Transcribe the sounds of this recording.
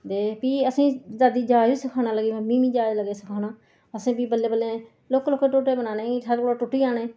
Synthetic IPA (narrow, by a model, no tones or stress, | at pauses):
d̪eːpiːəsĩːzaːd̪iːd͡ʒaːɪd͡ʒsəkʰaːɽaːləɡĩːmiːmiːd͡ʒaːd͡ʒləɡeːsəkʰaːnaː | əsĩːbiːbəlːeːbəlːeː | loːkloːkeːʈʊʈeːbənaːnẽːʈʰəɾkoɽaːʈʊʈːiːaːneː